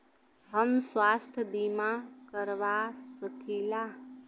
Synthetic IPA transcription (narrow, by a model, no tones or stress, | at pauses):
ɦəmsʋast̪ʰjəbimakəɾʋasəkila